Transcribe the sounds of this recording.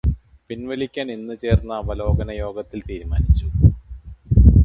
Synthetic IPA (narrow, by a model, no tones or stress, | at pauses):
pinʋɐlikʲːaːnenːɨt͡ɕe̞ːrnːɐːbɐlo̞ːɡɐnɐjo̞ːɡɐt̪ːilt̪iːɾuma̰ːnit͡ɕːu